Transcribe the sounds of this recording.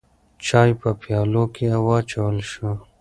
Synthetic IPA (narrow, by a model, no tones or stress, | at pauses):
t͡ʃaːjpəpjɑːlokeɐwɑt͡ʃɐwəlʃə